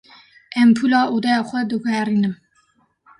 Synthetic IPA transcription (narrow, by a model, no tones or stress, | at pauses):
ɛmpʰuːlɑːʔoːd̪ɛjɑːxʷɛd̪ɨkʷʰæɾiːnɨm